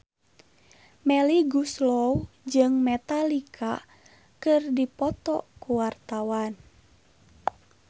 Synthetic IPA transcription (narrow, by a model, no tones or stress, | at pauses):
mɛliɡuslɔw | d͡ʒɨŋmɛt̪alikʰa | kɨrdipɔt̪ɔ̰kuwart̪awan